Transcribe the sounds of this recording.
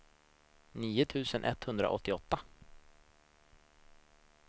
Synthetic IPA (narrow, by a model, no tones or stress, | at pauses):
niːʊt̪ʰʉ̟ːsənʔɛt̪hɵnd̪ɾa̰ʔɔ̰t̪ːɪɔt̪ːa